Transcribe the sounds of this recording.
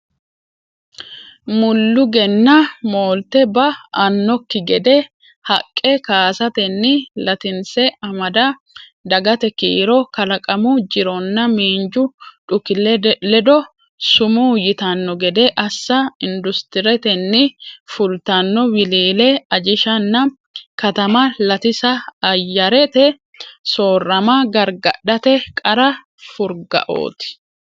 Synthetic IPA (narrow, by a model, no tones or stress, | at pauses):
mʊlːʊɡɛnːɐmoːlt̪ɛbɐɐnːɔkːɪɡɛd̪ɛ | hɐkʼːɛkaːsɐt̪ɛnːɪlɐt̪ɪnsɛɐmɐd̪ɐ | d̪ɐɡɐt̪ɛkḭːɾɔkɐlɐkʼɐmʊd͡ʒɪɾɔnːɐmiːnd͡ʒʊᶑʊkːɪlɛlɛd̪ɔ | sʊmuːjɪt̪ɐnːɔɡɛd̪eːʔɐsːɐɪnd̪ʊst̪ɪɾɛt̪ɛnːɪfʊlt̪ɐnːɔwɪliːleːɐd͡ʒɪʃɐnːɐ | kɐt̪ɐmɐlɐt̪ɪsɐːjːɐɾɛt̪ɛ | so̞ːrːɐmaɡɐɾɡɐᶑɐt̪ɛkʼɐɾɐ | fʊɾɡɐ̰ʔo̞̰ːt̪ɪ̥